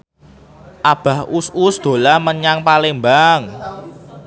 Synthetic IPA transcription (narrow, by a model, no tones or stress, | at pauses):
ʔab̥a̤hususd̪̥o̤laməɲaŋpalɪŋmbaŋ